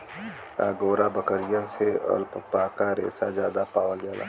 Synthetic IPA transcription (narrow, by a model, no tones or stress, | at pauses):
a̰ɡoːɾabəkəɾɪjənseə̰lpəpakaɾḛːsazjaːd̪apaːʋəlɡaːla̰ː